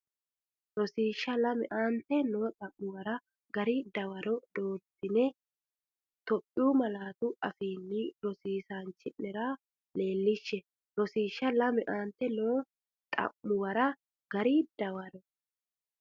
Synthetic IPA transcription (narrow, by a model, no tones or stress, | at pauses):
ɾɔsiːʃːɐlɐmɪʔaːnt̪ːɛnoːt̪ʼɐmːʊwɐɾɐ | ɡɐɾid̪ɐwɐɾɔd̪o̞ːt̪ːɪnɛ | t̪ɔpʼːɪuːmɐlaːt̪ʊʔɐfiːnːɪɾɔsiːsaːnt͡ʃːɪnɛɾa | le̞ːlːɪʃːɛ | ɾɔsiːʃːɐlɐmɪʔaːnt̪ːɛnoː | t̪ʼɐ̰mːʊwɐɾɐ | ɡ̥ɐɾid̪̥ɐwɐɾɔ